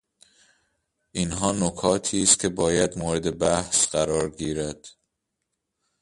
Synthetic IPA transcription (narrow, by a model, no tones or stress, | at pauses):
ʔinɦɒːnokʰɒːt̪ʰiːst̪̚cʲʰe̞bɒːjæd̪moːɾed̪e̞bæhsɢ̥æɾɒːɾɟiːɾæd̪̥